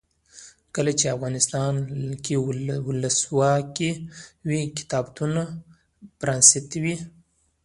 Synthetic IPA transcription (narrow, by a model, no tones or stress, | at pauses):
kəlat͡ʃeafɣɑnɪst̪ɑnkewʊləswɑkewikɪ̥t̪ɑbt̪una | pɾɑnsɪt̪wi